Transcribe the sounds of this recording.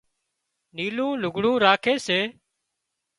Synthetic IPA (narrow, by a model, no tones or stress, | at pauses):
niːlũːlʊɡʱɽũːɾaːkʰeːseː